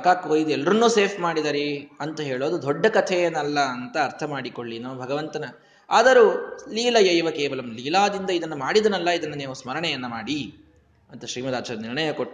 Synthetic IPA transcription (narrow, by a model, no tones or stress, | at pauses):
ɐkaːkɦoːjid̪uɛlːɐɾɐnːuːseːpʰmaːɽid̪aːɾiɐnt̪ɐɦeːɭoːd̪ud̪ɔɖːɐkɐt̪ʰɛɐnɐlːɐːnt̪ɐːɾt̪ʰɐmaːɽikoɭːinɐmːɐbʱɐɡɐʋɐnt̪ɐnɐ | aːd̪ɐɾuliːlɐjɐjʋɐkeːʋɐlɐmliːlaːd̪ind̪ɐid̪ɐnːumaːɽid̪ɐnɐlːɐid̪ɐnːɐneːʋusmɐɾɐɳɛjɐnːɐmaːɽi | ɐnt̪ɐʃɾiːmɐd̪aːt͡ʃɐɾɐniɾɳɐjɐkoʈː